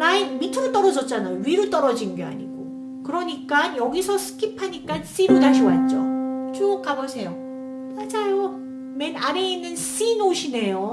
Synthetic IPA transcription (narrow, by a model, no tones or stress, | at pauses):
maimitʰɯɾot͈ʌɾʌd͡ʑʌt̚t͡ɕ͈anajoɥiɾot͈ʌɾʌd͡ʑinnɡea̰ɲiɡo | kɯɾʌɲik͈ajʌɡisʰʌsʰɯ̥kʰipʰaɲik͈ans͈iɾotaɕ̬ʰiat̚t͡ɕ͈ot͡ɕuʌk͈abosʰe̞jo | mad͡ʑajo | menaɾeinːɯns͈inoɕʰine̞jo